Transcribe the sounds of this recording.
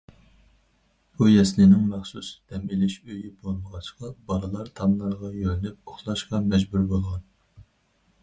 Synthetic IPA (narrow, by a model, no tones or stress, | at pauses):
bujɛslɪnɪŋmæχsusd̪̥ɛmilɪʃøjɪbolˠməʁɑt͡ʃʰqɑbɑɾɨlˠɑɾt̪ʰɑmlˠɑɾʁɑjøɾynɪp̚oχlˠɑʃqɑmɛd͡ʒbuɾbolˠʁɑn